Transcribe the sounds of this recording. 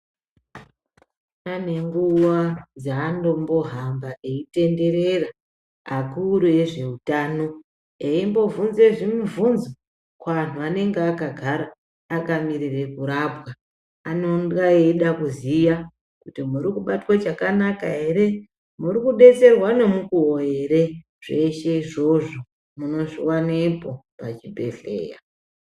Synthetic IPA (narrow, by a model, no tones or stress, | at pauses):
ane̞ŋɡuwad͡zaːndo̞mbo̞ɦambaʔeite̞nde̞ɾe̞ra | akuɾue̞ʐe̞utaːno̞ | eimbo̞vunze̞ʐimuvunzo | kwaan̤uane̞ŋɡeakaɡʱaɾaː | kamirire̞kuɾabɣa | anoŋɡaeɗakuzija | kutimuɾikuɓatwat͡ʃakanakaɦe̞ɾe̞ | murikuɓe̞t͡se̞rwane̞mukuwoeɾe̞ | ʐ̥e̞ʃe̞iʐo̞ʐo | muno̞ʐiwanepo̞pat͡ʃibʱe̞̰ɬe̞̰ːja̰